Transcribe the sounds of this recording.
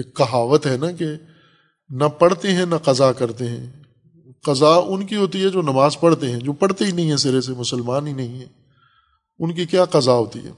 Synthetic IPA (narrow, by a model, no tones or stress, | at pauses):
eːkqɐɦaːʋət̪ɦɛnake | napɐɽt̪eɦɛ̃naqɐzakɐɾt̪eɦɛ̰̃ː | qɐzaʊnkiɦoːt̪̬iɦɛd͡ʒoːnɐmaːzpɐɽt̪eɦɛ̃d͡ʒoːpɐɽt̪eɦinɐɦĩɦɛ̃s̬ɪɾes̬emʊsəlmaːnɦinɐɦĩɦɛ̃ | ʊnkikjaːqɐzaɦoːt̪ḭɦɛ̰ː